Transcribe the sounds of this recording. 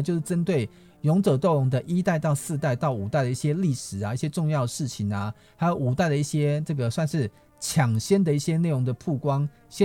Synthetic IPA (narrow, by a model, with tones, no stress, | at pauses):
t͡ɕjo˥˧ʊʂɻ̩˥˩ʈ͡ʂə˦nt̪we˥˩ɪ | jʊ˧˥ŋʈ͡ʂɤ˨˩t̪o˥˩ʊ˧˥ŋd̪ə˨ʔi˦˥t̪a˥˧ɪt̪ɑ˥˧ʊsɹ̩˥˧t̪a˥˧ɪt̪ɑ˥˩ʊu˨˩t̪a˥˩ɪd̪ə˩i˥˩ɕjɛ˦li˥˩ʂɻ̩˨˩a˨˦i˥˩ɕjɛ˥ʈ͡ʂʊ˥˧ŋjɑ˥˩ʊd̪ə˩ʂɻ̩˥˩t͡ɕʰi˨˩ŋna˨˩ | ha˥jo˧˩ʊu˨˩t̪a˥˩ɪd̪ə˩i˥˩ɕje˦˥ʈ͡ʂɤ˥˩ɡə˩swa˥˧nʂɻ̩˥˩ | t͡ɕʰjɑ˨˩ŋɕjɛ˦nd̪ə˨i˥˩ɕjɛ˦ne˥˩ɪɻʊ˧˥ŋd̪ə˨pʰu˥˩kwɑ˦ŋ | ɕɛ˥